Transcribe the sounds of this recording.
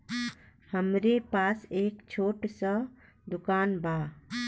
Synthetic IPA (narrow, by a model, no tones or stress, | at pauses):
həmɾepaːseːkt͡ʃʰoːʈsə | d̪ʊkaːnbʱaː